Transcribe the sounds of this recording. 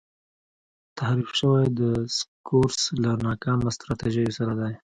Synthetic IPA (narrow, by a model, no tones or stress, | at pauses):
t̪ʰahɾifʃəwajd̪əskʰoɾslanɑkɑmast̪ɾɑt̪eʒajosaɾad̪aj